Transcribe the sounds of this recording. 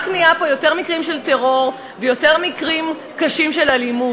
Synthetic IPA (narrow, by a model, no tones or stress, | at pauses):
kniapojo̞te̞ʁmikʁimʃelte̞ʁo̞ʁ | vejo̞te̞ʁmikʁim | kaʃimʃe̞lalimu